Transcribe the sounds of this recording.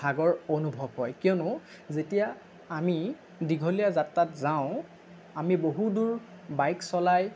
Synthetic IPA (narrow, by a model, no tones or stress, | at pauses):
aɡɔɹonubʱɔbɦɔjkijɔnʊ̃ | zetijaː | mi | diɡʱolijazatːatzaʊ̃ | amiboɦuduɹ | bajksɔlaj